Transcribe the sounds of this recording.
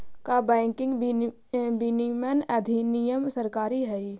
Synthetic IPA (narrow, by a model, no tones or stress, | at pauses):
kabɛ̃ːŋkɪ̃ŋɡ | binimənɐd̪ʱinijəmsəɾkaːɾiɦɛi